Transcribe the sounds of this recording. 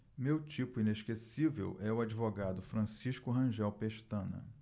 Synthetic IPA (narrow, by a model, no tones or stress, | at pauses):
mewt͡ʃipʊineʃkesivḛwʔɛʊad͡ʒivoɡad̪ʊfɾɐ̃siʃkʊɦɐ̃ʒɛwpeʃt̪ɐ̃nɐ̰